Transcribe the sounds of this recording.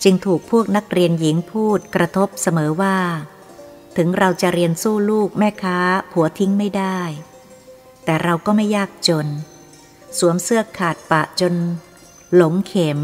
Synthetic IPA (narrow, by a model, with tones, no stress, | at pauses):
t͡ɕɯ˧ŋt̪ʰuː˨˩k̚pʰːu˥˩ək̚na˦˥k̚ɾi˧ənji˩˦ŋpʰuː˥˩t̪̚kɾa˧t̪ʰo˦˥p̚sa˧mɤː˩˦waː˥˩ | t̪ʰɯ˩˦ŋɾa˧wt͡ɕa˨˩ʔɾi˧ənsuː˥˩luː˥˩k̚mɛː˥˩kʰaː˦˥pʰu˩˦ɐt̪ʰi˦˥ŋma˥˩jdaː˥˩j | t̪ɛː˨˩ɾa˧wkɔː˥˩ma˥˩jːaː˥˩k̚t͡ɕo˧n | su˩˦əmsɯ˥˩əkʰːaː˨˩t̪̚pa˨˩ʔt͡ɕo˧n | lo˩˦ŋkʰeː˩˦m